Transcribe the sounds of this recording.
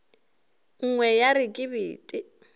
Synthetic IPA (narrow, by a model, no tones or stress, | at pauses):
ŋ̩ŋwɛjaɾɪkʼɪbḭːtʼi